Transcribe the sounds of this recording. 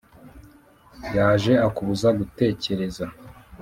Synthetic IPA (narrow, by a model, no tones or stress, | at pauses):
jaːʒe̞akuβuzaɡute̞ːce̞ɾe̞za